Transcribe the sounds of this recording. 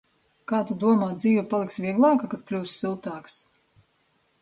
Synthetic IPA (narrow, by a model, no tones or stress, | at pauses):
kaːt̪ud̪uɔmaːt̪d̪ziːvʲupalˠiksvʲiɛɡlˠɑːkakad̪̚klʲuːsːilˠt̪aːks